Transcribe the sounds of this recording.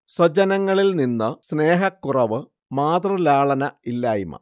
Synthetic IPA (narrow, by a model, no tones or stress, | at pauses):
swɐt͡ɕɐnɐŋːɐɭilninːɨsne̞ːɦɐkːurɐʋɨ | maːt̪rɨlaːɭɐnɐilːaːjimɐ̰